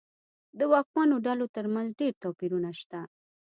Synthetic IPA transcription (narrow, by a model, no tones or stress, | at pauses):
d̪əwɑk̚mɑnoɖalot̪əɾmanzɖeɾt̪ɑpiɾunaʃt̪a